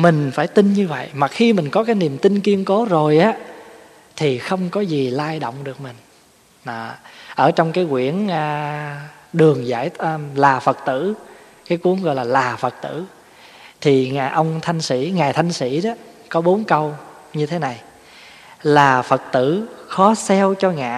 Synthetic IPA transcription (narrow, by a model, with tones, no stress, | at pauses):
mï˨˩ŋ̟faː˧˩jt̪i˧nɲɨ˧və̰˧˨jmaː˨˩xi˧mï˨˩ŋ̟kɔ˨˦kaː˨˦jni˨˩əmt̪i˧nki˧əŋko˨˦zo˨˩jʔaː˨˦ | t̪ʰi˨˩xə˧wŋ͡mkɔ˨˦zi˨˩laː˧jɗo̰˧˨wŋ͡mɗɨ˨˩ək̚mï˨˩ŋ̟ː˨˩ | ʔəː˧˩t͡ɕɔ˧wŋ͡mkaː˨˦jkwi˧˩ənː˧ | ɗɨ˨˩əŋza̰ː˧˩˨jːlaː˨˩fə˨˩t̚t̪ɨ̰˧˨ | kaː˨˦jkwu˨˦əŋɣɔ̰˧˨jlaː˨˩laː˨˩fə˨˩k̚t̪ɨ̰˧˩˨ | t̪ʰi˨˩ŋa̰ː˨˩ʔə˧wŋ͡mt̪ʰa˧jŋ̟sḭ˧˥ŋaː˨˩jt̪ʰa˧jŋ̟sḭ˧˥ɗɔ˨˦ | kɔ˨˦ɓo˨˦nkə˧w | ɲɨ˧t̪ʰe˨˦na˨˩j | laː˨˩fə˨˩k̚t̪ɨ̰˧˨xɔ˨˦sɛ˧wt͡ɕɔ˧ŋa̰ː˧˨